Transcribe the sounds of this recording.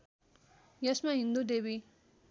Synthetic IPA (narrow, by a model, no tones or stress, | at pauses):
jɐsmaɦind̪ud̪ebi